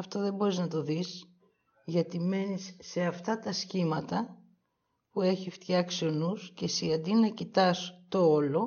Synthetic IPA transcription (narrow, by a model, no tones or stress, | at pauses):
ɐft̪o̞ðe̞mbo̞ɾiznɐt̪o̞ðis | ʝɐt̪ime̞nisːe̞ɐft̪ɐt̪ɐscimɐt̪ɐ | pue̞çift̪çɐksio̞nusce̞siɐnd̪inɐcit̪ɐst̪o̞olo̞